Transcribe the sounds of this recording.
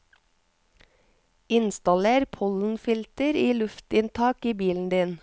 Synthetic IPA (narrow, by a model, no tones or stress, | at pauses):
ɪnst̪ɑleːɾpʰɔln̩fɪlt̪əɾiːlʉft̪ɪnt̪ʰɑːkiːbiːln̩d̪iːn